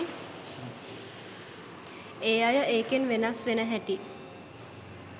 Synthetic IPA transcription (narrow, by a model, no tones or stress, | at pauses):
eːajəʔeːkenʋenasʋenəɦæʈi